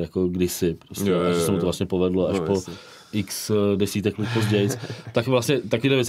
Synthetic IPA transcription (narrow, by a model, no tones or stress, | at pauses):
jakoɡdɪsɪpɾoscɛaɛssɛmut̪ovlastɲɛpovɛdloaʃpo | ʔɪksdɛsiːt̪ɛklɪt̪pozɟɛjɪt͡st̪akvlasɲɛt̪akoviːlɛvjɛt͡s